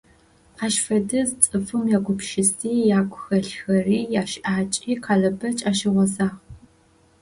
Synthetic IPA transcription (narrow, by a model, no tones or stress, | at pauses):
aːʃfɐdɨzt͡sʼɨfɨmjaːɡʷʊpʃɪstʰiːjaːkʷʼʊxɐɬxɐriːjaːʃʔaːt͡ʃʼiːqʰaːɮɐbɐt͡ʃʼaːʃɪʁʷɔzaːʁ